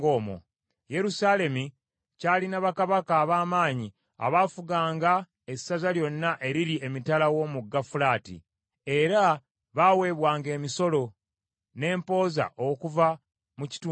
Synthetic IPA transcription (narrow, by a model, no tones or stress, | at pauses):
ɡoːmo̰ | je̞ɾusale̞mi | caːlinaβakaβakaːβaːmaːɲi | a̰βaːfuɡaːŋɡa | e̞sːazaljo̞nːaʔe̞ɾiɾie̞mitalawo̞muɡːafulaːtḭ | e̞ɾa | βaːwe̞βwaːŋɡe̞ːmiso̞lo̞ | ne̞ːmpo̞ːza̰ʔokuva | muci̥tuː